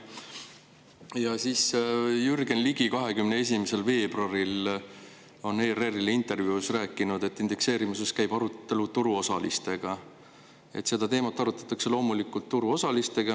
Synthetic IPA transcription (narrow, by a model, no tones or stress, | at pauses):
jɑsiːsjyrɡe̞nliɡ̥ikɑɦe̞kymnee̞s̬ʲimese̞lve̞ːb̥rɑɾil | o̞ne̞ːrerilint̪e̞rvjuːsræːkːˑinud̪̥e̞t̪ːˑind̪e̞kse̞ːɾimuse̞skæjb̥ɑɾut̪ːe̞lut̪uɾuo̞sɑlist̪e̞ɡ̥ɑ | e̞̰t̪se̞d̪ɑt̪e̞ːmɑt̪ːˑɑɾut̪ːˑɑ̥t̪ːˑɑkse̞lo̞ːmulikːˑult̪ːuɾuo̞sɑlist̪e̞ɡ̥ɑ